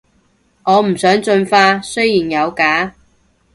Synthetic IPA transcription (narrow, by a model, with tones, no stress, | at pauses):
ŋɔː˨˧m̩˨˩sœː˨˥ŋt͡ʃɵ˧nfaː˧sɵ˥jjiː˨˩njɐ˨˧wkaː˨˥